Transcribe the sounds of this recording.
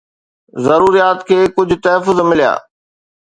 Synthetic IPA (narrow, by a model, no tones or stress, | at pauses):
zɐɾuːɾijaːt̪kʰeːkʊd͡ʑʱʊt̪ɐɦəfʊzmɪlija̰ː